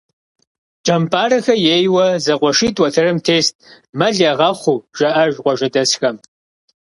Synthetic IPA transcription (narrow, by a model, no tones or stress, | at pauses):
t͡ʃʼɐmpʰʼaːrɐxɐjeːjwɐzɐqʷʼɔʂiːtʼwɐtʰɐɾɨmtʰeːstʼ | mɐɮɐʁɐχʷuʒ̥ɐʔɐʒqʷɔʒɐdɐsxɐm